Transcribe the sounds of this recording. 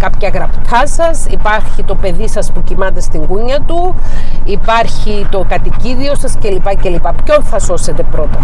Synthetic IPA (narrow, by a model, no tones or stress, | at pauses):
kɐpçɐɣɾɐpt̪ʰɐsɐsipɐɾçit̪o̞pe̞ðisɐspucimɐt̪e̞st̪iŋɡuɲːɐt̪uipɐɾçit̪o̞kɐt̪iciðio̞sɐsce̞lipɐcelipɐpço̞nθɐso̞se̞t̪e̞pɾo̞t̪ɐ